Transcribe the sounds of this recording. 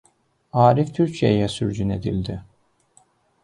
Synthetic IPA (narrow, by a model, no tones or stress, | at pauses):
aːɾift̪ʰyɾcʰijejɛsyɾd͡ʒyne̞d̪ḭlʲd̪ɪ